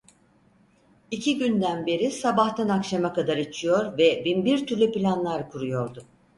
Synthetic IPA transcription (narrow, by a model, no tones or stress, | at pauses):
icʰiɟynd̪ænbe̞ɾisabaht̪ʰanakʃamakad̪aɾit͡ʃʰijo̞ɾvɛbinbiɾt̪ʰyɾlʲyplʲanlˠaɾkʰuɾujo̞ɾd̪ʊ